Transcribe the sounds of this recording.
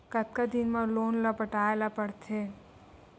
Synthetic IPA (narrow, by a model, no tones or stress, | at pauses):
kət̪̚kad̪inmãlonlapəʈaelapəɽt̪ʰe